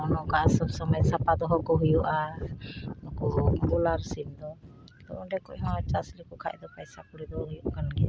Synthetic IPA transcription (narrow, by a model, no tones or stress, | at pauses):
ɔnɔkasɔsɔmajsapad̪ɔɦɔkɔɦujuʔa | d̪ɔkɔɾulaɾsind̪ɔ | t̪ɔʔɔɖɛkɔʔɛɦɔnɔt͡ʃaslikɔkʰaʔɛ̰d̪ɔpajsakuɽid̪ɔɦujuʔkanɡi